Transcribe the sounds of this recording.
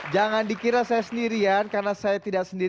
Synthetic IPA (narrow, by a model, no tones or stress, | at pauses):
d͡ʒaŋandikiɾasajasəndiɾiankarnasajat̪idaksəndi